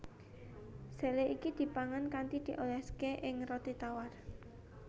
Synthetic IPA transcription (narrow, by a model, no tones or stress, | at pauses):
se̤leʔikid̪̥i̤paŋankant̪id̪̥i̤ʔolɛskeʔɪŋrɔt̪it̪awar